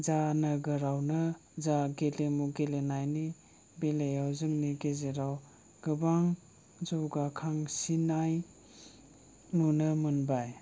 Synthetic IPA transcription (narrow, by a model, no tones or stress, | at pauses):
zanɯɡɯɾawnɯzaɡelemuɡelenajni | belejawzɯŋniɡezeɾaw | ɡ̥ɯbaŋ | zɔwɡakʰaŋsinaj | nunɯmɯnbaj